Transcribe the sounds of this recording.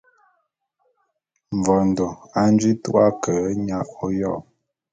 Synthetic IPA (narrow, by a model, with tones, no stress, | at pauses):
ɱ˨vɔ˨n˨do˨a˦n˦d͡ʒi˦tṵ˦ʔa˦kə˨˦ɲa˦ʔo˦jɔ˦˨